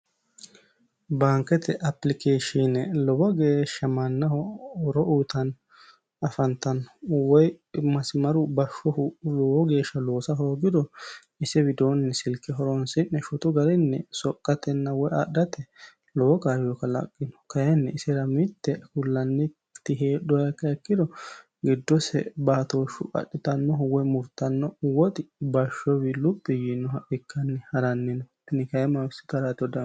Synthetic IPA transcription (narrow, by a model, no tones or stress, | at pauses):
baːŋkɛt̪ɛʔɐpːlɪkeːʃinɛlɔbɔɡeːʃːɐmɐnːɐhɔɔɾɔʔuːt̪ɐn | ɐfɐnt̪ɐnɔwɔjmɐsmɐɾʊbɐʃːɔhʊlɔwɔɡe̞ːʃːɐlo̞ːsɐɦo̞ːɡɪd̪ɔ | ɪsɛbɪd̪oːnːɛsɪlkːɪɦɔɾɔnsɪnːɛʃʊt̪ʊɡɐɾɛnːɛsɔkʼːɐt̪ɛnːɐwɔjɐ̰ɗɐt̪ɛ | lɔːɔkaːjjɔkːɐlɐ̰kʼːɪnɔ̥kɐjɛnːɛɪsɛɾɐmɪt̪ːɛhʊlːɐnːɛ | t̪ːɪɦeːɗɔjɐkːɐɛkːɪd̪ɔ | ɡɪd̪ːɔsɛ̰baːt̪oːʃʊɐ̰ɗːɪt̪ɐnːɔɦɔwɛmʊɾt̪ːɐnːɔwɔt̪ʼɪbɐʃːɔwɪlʊpʼːɪjinːɔɦɐʔɪkʰːɐnːɛhɐɾɐnːɪnɔt̪ːɪnɪkɐjɛmɐwɪsɪ̥t̪ɐɾat̪ɪɔd̪ɐ